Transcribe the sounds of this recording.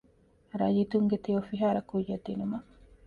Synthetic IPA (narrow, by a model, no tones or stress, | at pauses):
ɾɐjit̪uŋɡet̪ijofiɦaːɾɐkujːed̪inumɐ